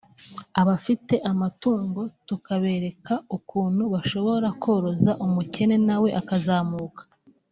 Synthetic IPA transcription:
aβafite̞ʔamatuːŋɡo̞tukaβe̞ːɾe̞kaukuːnhuβaʃo̞βo̞ɾakʰo̞ːɾo̞zaʔumuce̞ne̞nawe̞ʔakazaːmuːkḁ

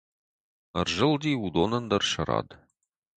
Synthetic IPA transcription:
ərʒəlˠd̪iud̪onənd̪ɐrʃɐɾɑ̰ːd̪

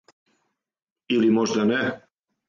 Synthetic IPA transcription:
ilimoʒd̪ane

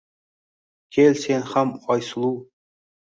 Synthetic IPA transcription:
kʲʰelʲsenhamɑjsɨlˠu

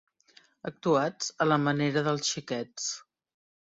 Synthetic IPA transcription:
ək̚t̪uad͡zələməneɾəðəlˠsʃikɛt͡s

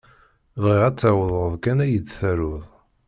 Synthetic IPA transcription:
vʁiʁæt͡sːæwəðˤəðˤkænæjət͡s̪ːθæɾʊðˤ

